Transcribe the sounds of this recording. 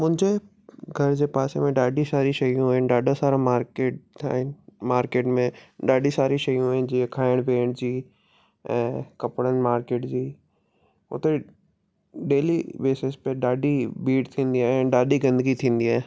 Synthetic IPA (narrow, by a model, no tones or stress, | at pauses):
mʊ̃d͡ʒe | ɡʱɐɾd͡ʑepaːsḛmẽɖaːɖisaːɾiʃɐjõɦẽɖaːɖasaːɾamaːɾkeːʈ̚t̪ʰa̰ːmaːɾkeːʈmẽɖaːɖisaːɾiʃɐjõɦẽd͡ʒiːɦekʰaːɪɽ̃pẽːɳd͡ʑiː | ɛ̃ːkɐpɽənmaːɾkeːʈd͡ʑiː | o̰t̪e | ɖeːlibeːsɪspeɖaːɖibiːʈt̪ʰĩːnd̪iɦɛɖaːɖiɡɐ̃nd̪əɡit̪ʰĩːnd̪iɦɛː